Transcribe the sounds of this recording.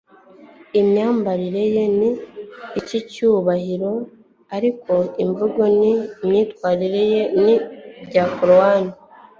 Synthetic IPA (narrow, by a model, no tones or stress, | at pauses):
imɲaːmbaɾiɾe̞je̞niː | cicuːβahiɾo̞ | aɾiko̞iɱvuɡo̞nimɲitwaːɾiɾe̞je̞nibɟaːkoɾowaːni